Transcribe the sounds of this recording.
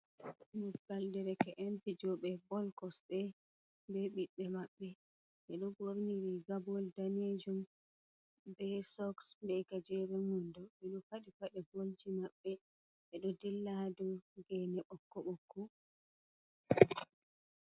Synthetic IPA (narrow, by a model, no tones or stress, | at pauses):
nuɡaldɛɾɛkɛʔɛnfid͡ʒɔɓɛbɔlkɔsɗɛ | bɛɓiɓɛmaɓːɛ | ʔɛɗɔɡoɾniɾiɡabɔldaned͡ʒum | bɛsɔksbɛkad͡ʒɛɾɛmundɔɓɛɗɔfaɗifaɗɛbold͡ʒimaɓːɛ | ɓɛɗɔdɛlːahdɔɡɛnɛɓɔkːɔɓɔkːu